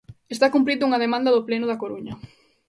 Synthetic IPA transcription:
est̪akumpɾiðuŋɐðemãnd̪ɐðʊplenʊðɐkoɾuɲɐ

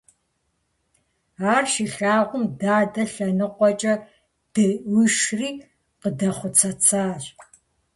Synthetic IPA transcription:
aːrʃiɬaːʁʷʊmdaːdɐɬɐnɨqʷɔt͡ʃʼɐ | d̥ɐwiʃriː | qədɐχʷʊt͡sʰɐt͡sʰaːɕ

